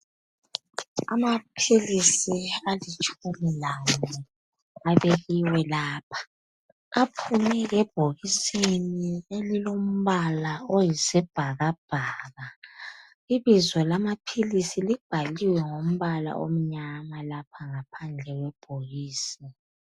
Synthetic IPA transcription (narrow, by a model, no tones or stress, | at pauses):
amapʰilisialit͡ʃʼumilawɔ | aβeɣiwɛlaːpʰḁ | apʰunɛɣɛb̥ʱoɣisinielilom̩βalaojisɛb̥ʱaɣab̥ʱaɣa | iβizwɔlamapʰilisilib̥ʱaliwɛŋom̩βala̰ʔo̰m̩ɲamalapʰaŋapʰand͡ɮʱɛɣwɛb̥ʱoɣiːsi